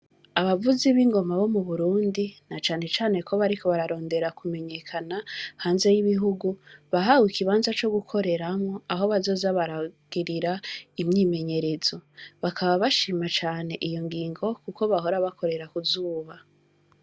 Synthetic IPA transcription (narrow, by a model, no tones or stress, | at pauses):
aβavuziβiŋɡo̞maβo̞muβuɾuːndinat͡ʃaːne̞t͡ʃaːne̞kʰo̞βaɾikʰo̞βaɾaɾo̞ːnde̞ɾakume̞ɲe̞kʰanahaːnze̞jiβiɦuɡuβaɦawikʰiβaːnzat͡ʃo̞ɡukʰo̞ɾe̞ɾamŋo̞aɦo̞βazo̞ːzaβaɾaɡ̥iɾiɾaimɲiːme̞ɲe̞ɾe̞z̥o̞βakʰaβaβaʃiːmat͡ʃaːne̞ʔijo̞ŋɡiːŋɡo̞kuko̞βaɦo̞ɾaβakʰo̞ɾe̞ɾakuzuːβa